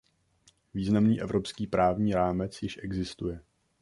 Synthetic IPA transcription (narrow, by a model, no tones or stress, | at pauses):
viːznamniːʔɛvɾo̞pskiːpɾaːvɲiːɾaːmɛt͡sjɪʃʔɛɡzɪst̪ujɛ